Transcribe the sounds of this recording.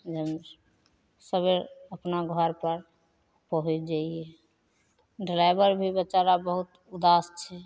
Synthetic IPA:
d͡ʒəm | səbeəpnaɡʱɔɾpəɾ | pəɦut͡ʃd͡ʒaiɛ | ɖilajbəɾbʱibət͡ʃaɾabəɦut̪ | ud̪ast͡ʃʰɛ

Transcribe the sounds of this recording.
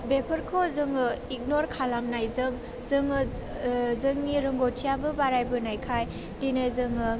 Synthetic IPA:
bepʰəɾkʰozɯŋɯik̚noɾkʰalamnajzɯŋ | zɯŋɯ | zɯŋniɾɯŋɡotʰijabɯbaɾajbɯnajkʰaj | dinajzɯŋɯ

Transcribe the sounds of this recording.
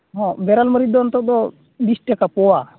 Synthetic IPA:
ɦɔ̃bɛɾalməɾid̪d̪ɔnt̪ɔd̪ɔ | bisʈɛkapɔwa

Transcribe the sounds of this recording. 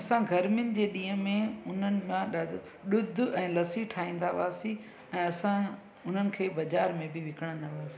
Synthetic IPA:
ɐsãɡʱɐɾmɪʊnɪ̆d͡ʑeːɗĩːɦə̃mẽʊn̤ənɪ̆mãɗa | ɗʊd̪̆ʱɛ̃ːlɐsiʈʰaːĩːn̆d̪aʋaːsi | ɛ̃ːɐsã | ʊn̤ənɪ̆kʰeːbɐd͡ʑaːɾmẽbɪʋɪkəɽ̃ə̃nd̪aːʋaːsi̥

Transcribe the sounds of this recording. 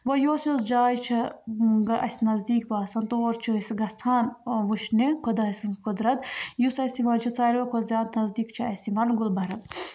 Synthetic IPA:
ʋɐjoːsjosd͡ʒaːjt͡ʃʰɐɡɐʔɐsʲinɐzd̪iːkbaːsɐnt̪oɐɾt͡ʃʰisɡɐsʰaːnʋuʃnikʰɐd̪ɐɐsʲinskud̪ɾɐt̪jusɐsiʋɐnt͡ʃʰɐt͡saːɾɐkʰozjaːd̪nɐzd̪iːkt͡ʃʰɐɐsiʋɐnɡulbɐɾɐn

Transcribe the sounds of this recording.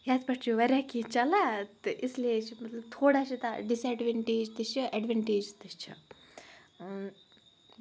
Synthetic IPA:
jad̪pɐʈt͡ʃʰuʋɐɾʲakit͡ʃɐlat̪ɨʔislet͡ʃʰimɐt̪lɐbt̪ʰoːɽat͡ʃʰit̪ɐ̰ɖisɛɖʋeɳʈeːd͡ʒt̪ɨt͡ʃʰiɛɖʋeɳʈeːd͡ʒt̪ɨt͡ʃʰi

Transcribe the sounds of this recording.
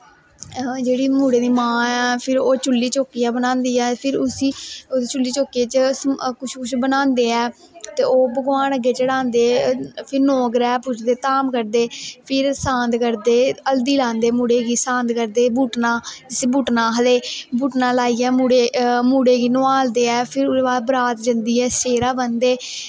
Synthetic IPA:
d͡ʒeːɽiːmuːɽeːd̪iːmãːɛːpʰɪɾoːt͡ʃʊlːiːt͡ʃoːkijãːbənãːnd̪iːɛːpʰɪɾʊsiːod̪t͡ʃʊlːiːt͡ʃoːkeːt͡ʃəkʊt͡ʃʰkʊt͡ʃʰbənãːnd̪eːɛː | t̪eːoːbəɡʋaːnəɡːeːt͡ʃəɽãːnd̪eːpʰɪɾnoːɡɾɛːpʊt͡ʃʰd̪eːt̪aːmkəɾd̪eːpʰɪɾsãːnd̪kəɾd̪eːəld̪iːlãːnd̪eːmuːɽeːɡiːsãːnd̪kəɾd̪eːbuːʈnãːd͡ʒɪsiːbuːʈnãːɦəleːbuːʈnaːlaːiːɛːmuːɽeːmuːɽeːɡiːnoaːld̪eːɛːpʰɪɾʊbaːbəɾaːt̪d͡ʒənd̪iːɛːseːɾaːbənd̪eː

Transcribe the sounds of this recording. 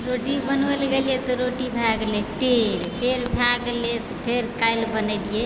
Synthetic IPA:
ɾoʈibənʋelɡeljet̪ɔɾoʈibʱaɡlet̪eɾpeɾbʱaɡlet̪ɔpʰeɾkajlbənəɪlije

